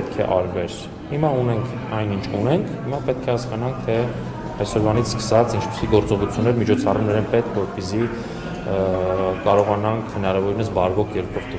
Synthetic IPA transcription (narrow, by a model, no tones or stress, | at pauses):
ɛt̪̚kʰɛ̰ʔɑɾvɛɾ | himɑunɛŋkʰ | ɑjnint͡ʃʰunɛŋkʰhimɑpɛt̪̚kʰɛhɑskɑnɑŋk̚ʰt̪ʰɛ | ɑjsɔɾvɑnit͡sʰskə̥sɑt͡sint͡ʃʰpi̥siɡɔɾt͡sɔʁut͡sʰjunːɛɾmit͡ʃʰɔt͡sʰɑrumnɛɾɛnpɛt̪̚kʰvɔɾpɛsi | kɑɾɔʁɑnɑŋkʰhənɑɾɑvɔɾinəsbɑɾvɔkʰjɛlkʰɔvt̪u